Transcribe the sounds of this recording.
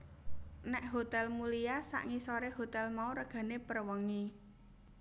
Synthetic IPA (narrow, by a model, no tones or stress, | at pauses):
nɛʔɦot̪ɛlmulijasa̰ʔŋisoɾeɦot̪ɛlmauɾəɡ̥ä̤nepərwəŋi